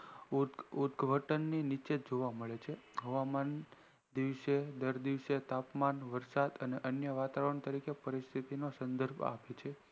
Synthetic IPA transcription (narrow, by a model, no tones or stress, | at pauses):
ud̪ɡʱʋʱəʈənːinit͡ʃed͡ʒoʋaməɭet͡ʃʰeɦəʋaman | d̪iʋʃed̪əɾd̪iʋset̪apmanʋəɾsad̪əneʔənjəʋat̪aʋəɾəɳt̪əɾikepəɾist̪ʰit̪inosənd̪əɾbʱa̰pet͡ʃʰe